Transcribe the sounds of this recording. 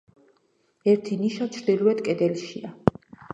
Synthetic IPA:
ɛɾt̪ʰiniʃat͡ʃʰɾd̪iluɛd̪kʼɛd̪ɛlʃia

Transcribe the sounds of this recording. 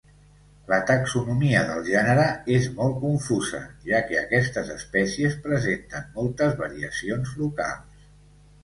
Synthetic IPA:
lət̪əksunumiəðəlˠʒɛnəɾəezmɔlˠt̪̚kuɱfuzə̰ʒakɛəkɛst̪əzəspɛsiəspɾəzent̪ənmɔlˠt̪əzβəɾiəsionzluka̰lˠs

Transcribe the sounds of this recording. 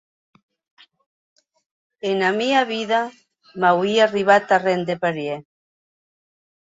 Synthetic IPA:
enamiaβiða | mawiariβat̪arend̪epaɾje

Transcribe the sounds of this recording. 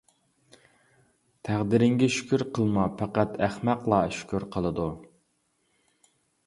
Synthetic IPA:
t̪ʰæʁd̪ɪɾɪŋɡʲɛʃy̥kʲyɾqʰəlˠmɑpʰæqæt̪ʰæχmæqlˠɑʃy̥kʲyɾqʰəlˠəd̪u

